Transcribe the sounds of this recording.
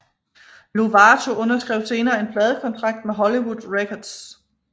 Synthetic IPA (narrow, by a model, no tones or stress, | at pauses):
loʋɑt͡sʰo̝ʔɔ̽nɐsɡ̥ʁɛʊse̝ːnɐːe̝npʰlɛːð̞ˠəkʰɒ̽nt͡sʰʁɑ̈ɡ̥̚d̥meɦɒ̽liwud̥ˠʁekʰɒd̥s